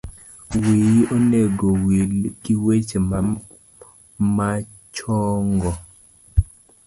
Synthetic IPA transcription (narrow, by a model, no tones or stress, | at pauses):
wioneɡowilkiwet͡ʃema | ma | t͡ʃɔŋɡɔ